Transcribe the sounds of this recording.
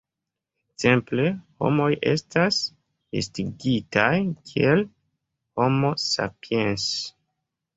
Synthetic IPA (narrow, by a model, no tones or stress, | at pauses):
ze̞mple̞ho̞̰mo̞jʔe̞stas | ḛstiɡitajkʰiel | ho̞mo̞sa̰piens